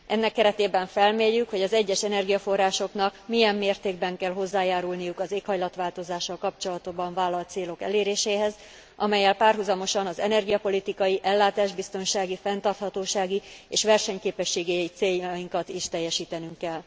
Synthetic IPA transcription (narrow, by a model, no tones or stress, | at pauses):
ʔɛnːɛkːɛɾɛt̪eːbɛɱfɛlmeːjːykho̞ɟɒzɛɟːɛʃɛnɛrɡijɒfo̞rːaːʃo̞knɒkmijɛmːeːrt̪eːɡ̚bɛŋkɛlɦo̞zːaːjaːɾulnijukɒzeːkhɒjlɒt̪ʋaːlt̪o̞zaːʃːɒlkɒpt͡ʃo̞lɒt̪obɒɱvaːlːɒlt̪seːlo̞kɛ̰leːɾeːʃeːɦɛz | ʔɒmɛjːɛlpaːrɦuzɒmo̞ʃɒnɒzɛnɛrɡijɒpo̞lit̪ikɒjiʔɛlːaːt̪aːʒbist̪o̞nʃaːɡifɛnt̪ɒrt̪hɒt̪oːʃaːɡieːʃʋɛrʃɛɲkeːpɛʃːeːɡɛit̪seːjːɒjiŋkɒt̪iʃt̪ɛjːɛʃiːt̪ɛnyŋkːɛlː